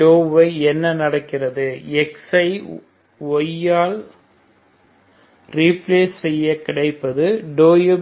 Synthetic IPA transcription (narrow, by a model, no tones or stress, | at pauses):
oːʋɐɪɛnːɐnɐɽɐkːɪrɐðɯɛksɐɪ | ʋɔjːaːl | ɾiːpleːssɛjːɐkɪɽɐɪpːɐðɯɖoːjɯ